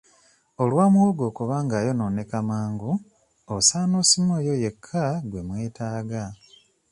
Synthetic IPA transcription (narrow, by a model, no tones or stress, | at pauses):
olwaːmwoɡo̞ːkuβaːŋɡaːjo̞nonekamaːŋɡu | osaːnosimojoje̞kʰːaɡwe̞mwe̞ːtaːɡa